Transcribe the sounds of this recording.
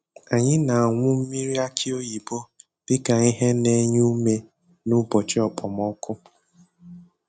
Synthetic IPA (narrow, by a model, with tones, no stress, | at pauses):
a˨ɲɪ˦na˨a˨ŋʷʊ˦m̩˦mi˦ɾi˦a˦kʰi˦o˦ji˨bo˦ | d̥ɪ˦ka˨ŋi˦ɦe˦ne˦ɲu˦me˦ | nʊ˦bɔ˨t͡ʃɪ˦ɔ˨pɔ˨mɔ˦kʊ˦